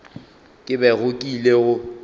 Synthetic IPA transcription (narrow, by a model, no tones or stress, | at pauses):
kʼɪbɛɣʊkʼileɣʊ